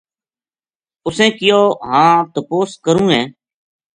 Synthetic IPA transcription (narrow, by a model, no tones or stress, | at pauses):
ʊsẽːkɪjoːɦãːt̪əpoːskəɾũːɦẽː